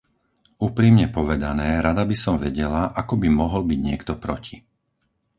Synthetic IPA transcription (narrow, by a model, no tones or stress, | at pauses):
uːpɾimɲɛpɔʋɛd̪anɛːɾad̪abisɔmʋɛɟɛlaʔakɔbimɔɦɔlbiɟɲɪɛkt̪ɔpɾɔci